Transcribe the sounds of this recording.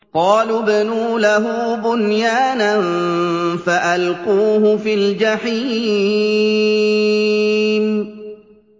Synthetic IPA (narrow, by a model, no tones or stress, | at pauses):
qɑːlʊbanuːlaɦʊbʊnjaːnan | faʔalquːhʊfild͡ʒaħiː | m